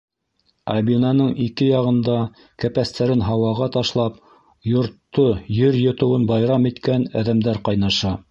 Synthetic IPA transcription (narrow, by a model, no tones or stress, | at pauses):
ɑbinɑnɤɴikɘjɑʁɤ̆nd̪ɑ | kæpæst̪ʰæɾɘnɦɑwɑʁɑt̪ɑʃlˠɑp | jŏɾt̪ːojɵɾjŏt̪ɤ̆wɤnbɑjɾɑmit̪kænæðæmd̪æɾqɑjnɑʃɑ